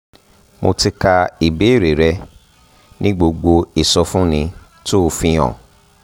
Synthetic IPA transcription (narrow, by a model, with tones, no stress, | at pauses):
mo˧ti˧ka˧i˨be˨˦i˦˨ɾe˨ɾɛ˧ | nĩ˦ɡ͡bo˧ɡ͡bo˧i˨sɔ˧fũ˦nĩ˧ | to˦o˧fĩ˧j̃ɔ̰̃˨